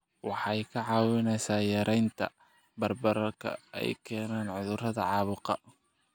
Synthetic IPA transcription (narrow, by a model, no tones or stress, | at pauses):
wɑħɑjkʰɐʕɑːwɪnɛjsaːjɐɾʔɛjnt̪ʰɐ̰ | bɐrbɐɾɐrkʰɐ̰ɛ̰jkʰɛːnaːnʕʊðʊrɐðɐʕɑːβʊqɐ